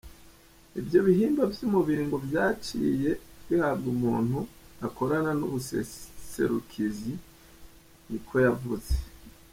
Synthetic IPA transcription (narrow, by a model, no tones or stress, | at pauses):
ivjo̞βiɦiːmbavjumuβiːŋɡovjaːt͡ʃḭːje̞ihaːbɡumuːn̥huako̞ɾananuβusḛse̞̰ɾukʰizi | nikʰo̞javuz̥e̥